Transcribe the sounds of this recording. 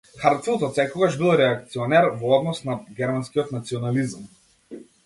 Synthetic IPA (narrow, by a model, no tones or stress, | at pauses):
xaɾt̪nɔt̪ɔsɛkɔɡaʒbilˠɾɛakt̪siɔnɛɾvɔɔd̪nɔsnaɡʲɛɾmanskiɔt̪nat̪siɔnalizm